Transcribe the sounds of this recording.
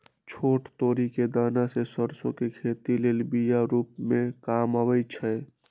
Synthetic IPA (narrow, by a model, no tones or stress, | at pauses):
t͡ʃʰoːʈt̪oːɾiked̪aːnasesəɾsõkekʰeːt̪ileːlbijaɾuːpmẽkamawɛt͡ʃʰɛ